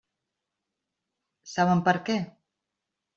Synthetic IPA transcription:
saβəmpəɾkɛ

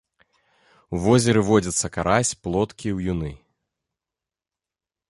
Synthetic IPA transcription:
wvɔzʲɛɾɨvɔd͡zʲɐt̪sːɐkaɾasʲplˠɔt̪kʲiwjunɨ

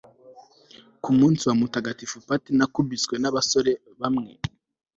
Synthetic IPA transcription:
kumuːnsiwamutaɡatifupatinakubit͡swe̞naβaso̞ɾe̞ | βamŋe̞̰

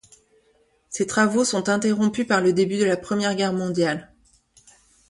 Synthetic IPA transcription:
set̪χavosɔ̃t̪ɛ̃t̪eʁɔ̃pypaʁləd̪ebyd̪əlapχəmjɛʁɡʲɛʁmɔ̃d̪jal

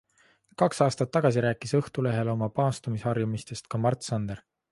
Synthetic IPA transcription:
kɑksɑːst̪ɑt̪ːɑɡ̥ɑs̬iɾæːkːˑisɤht̪ule̞ɦe̞lo̞mɑpɑːst̪umisɑrjumist̪e̞st̪̚kɑmɑrt̪sɑnd̪̥eɾ

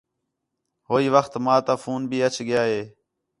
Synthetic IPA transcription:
ɦoːiːʋəxt̪maːt̪aːfuːnbʱiːət͡ʃʰɠɪjaːɦeː

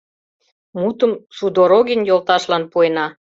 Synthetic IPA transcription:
mut̪əmsud̪oɾoɣinjolt̪ɑʃlɑnpuenɑ

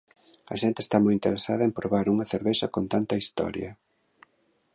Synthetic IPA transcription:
ɐʃent̪eːst̪amojint̪eɾesaðɐempɾoβaɾuŋɐθeɾβɛsɐkont̪ant̪ɐist̪ɔ̰ɾjɐ̰

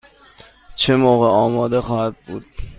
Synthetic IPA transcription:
t͡ʃʰemoːɣeɒːmɒːd̪eχɒːhæd̪̚bud̪̥

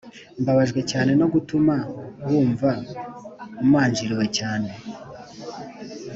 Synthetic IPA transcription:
mbaβaʒɡwe̞caːne̞no̞ɡutumawuːɱva | umaːɲd͡ʒiɾiwe̞caːne̞

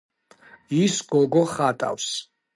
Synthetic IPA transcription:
isɡɔɡɔχat̪ʼa̰ws

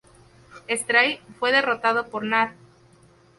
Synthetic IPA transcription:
est̪ɾajfwe̞ðe̞ro̞t̪að̞opoɾnaɾ

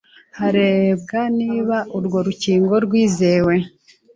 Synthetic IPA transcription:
haɾe̞bɡaniːβaʔuɾɡo̞ɾuciːŋɡo̞ɾɡwiːze̞ːwe̞

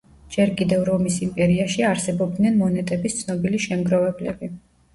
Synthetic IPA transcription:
d͡ʒɛɾkʼid̪ɛvɾɔmisimpʼɛɾiaʃiaɾsɛbɔb̚d̪nɛnmɔnɛt̪ʼɛbist̪sʰnɔbiliʃɛmɡɾɔvɛblɛbi

